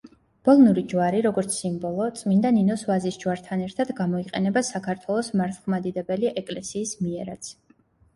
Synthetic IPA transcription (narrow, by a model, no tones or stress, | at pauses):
b̥ɔlˠnuɾid͡ʒwaɾiɾɔɡɔɾt̪sʰsimbɔlˠɔt̪sʼmind̪aninɔsvazisd͡ʒwaɾt̪ʰanɛɾt̪ʰad̪ɡamɔiqʼɛnɛbasakʰaɾt̪ʰwɛlˠɔsmaɾt̪ʰχmad̪id̪ɛbɛliʔɛkʼlɛsiːsmiɛɾat̪sʰ